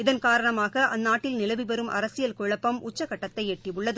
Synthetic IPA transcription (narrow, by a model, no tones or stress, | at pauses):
ɪðɐnkaːɾɐɳɐmaːɣɐʔɐnːaːʈːɪlnɪlɐʋiʋɐɾɯmʔɐ̰ɾɐsɪjɐlkʊɻɐpːɐmʊt͡ʃːɐkːɐʈːɐt̪ːɐɪeʈːiʋɯɭːɐðɯ